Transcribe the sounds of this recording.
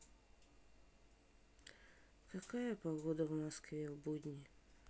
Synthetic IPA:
kɐkajəpɐɡod̪əvmɐskvʲevbudʲnʲɪ

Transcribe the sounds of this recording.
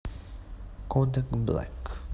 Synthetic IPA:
kʰɔdəkbla̰k

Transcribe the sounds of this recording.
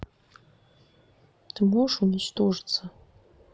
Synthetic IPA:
d̥ʰɨmoʂunʲit͡ʃt̪ʰoʐt͡sʰa

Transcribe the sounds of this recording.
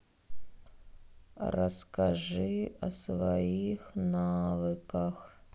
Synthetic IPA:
rɐ̰skaʐɨɐ̰svɐixnavɨkɐx

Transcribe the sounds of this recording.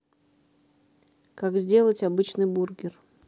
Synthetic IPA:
kaɡzʲdʲe̞lˠətʲɐbɨt͡ɕnɨjburɡʲɪr

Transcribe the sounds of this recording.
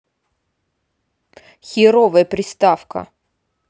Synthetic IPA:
xʲɪɾovəjəpɾʲɪst̪afkə̰

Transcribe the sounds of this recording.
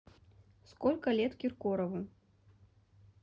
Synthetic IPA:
skɔlʲkɐlʲɛt̪kʲirkɔɾɐvu

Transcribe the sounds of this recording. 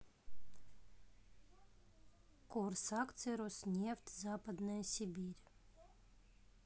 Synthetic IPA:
kursakt̪sɨɾosnʲeft̪ʲzaːpad̪najsʲibʲiɾʲ

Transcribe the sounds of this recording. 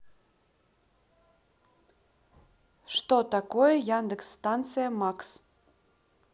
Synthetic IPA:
ʃt̪ot̪ɑkojəjand̪əksːt̪ɑnt̪t͡sɨjəmɑks

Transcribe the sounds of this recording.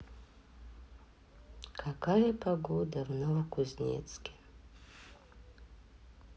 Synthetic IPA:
kʰakʰajapʰaɡod̪avnovkuznʲḛt͡skʲe̥

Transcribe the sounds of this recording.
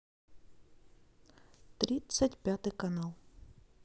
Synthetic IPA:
t̪ɾʲit̪sʲɐtʲpʲjat̪ɨkɐnalˠ

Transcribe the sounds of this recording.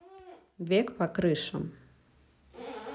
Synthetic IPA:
vʲɛkpɐkɾɨʂɐm

